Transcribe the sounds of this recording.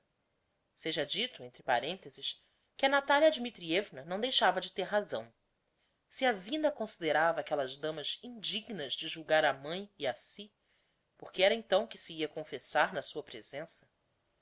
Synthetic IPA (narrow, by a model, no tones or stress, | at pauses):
seʒɐd͡ʒit̪ʊẽnt̪ɾɪpa̰ɾẽnt̪ezɪʃ | kʲɪɐnat̪aljɐd͡ʒimit̪ɾievnɐɾnɐ̃w̃d̪ejʃavɐd͡ʒɪt̪eɾɦazɐ̃w̃ | siazĩnɐkõsid̪eɾavɐaːkɛlɐzd̪ɐ̃mɐzĩd͡ʒiɡnɐzd͡ʒɪʒuwɡaɾamɐ̃j̃iasi | poχkɪɛɾɐẽnt̪ɐ̃w̃kɪsiiɐkõfesaɾnɐsuɐpɾez̥ẽsɐ̥